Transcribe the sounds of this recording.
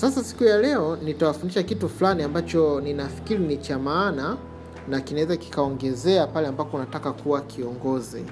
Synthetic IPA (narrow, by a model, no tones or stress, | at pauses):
sasasi̥kujalɛɔnitawafundiʃakituflaniambat͡ʃɔninafi̥kiɾinit͡ʃamaːna | nakinawɛzaki̥kaɔŋɡɛzɛapalɛambapɔunatakakuwakʰiɔŋɡɔzi